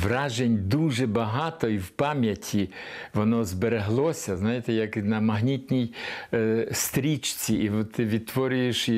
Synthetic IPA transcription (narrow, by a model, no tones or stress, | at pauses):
ʋrɑʒenʲd̪uʒɛbɐɦɑt̪ɔiwpɑmʲjɐtʲʰiʋɔnɔzbeɾeɦlˠɔsʲɐznɑjet̪ɛjɐknɐmɐɦnʲit̪ʲnʲij | st̪ɾʲit͡ʃt͡sʲiiʋɔt̪ːɪʋʲid̪̚t̪ʋɔɾʲʊjeʃ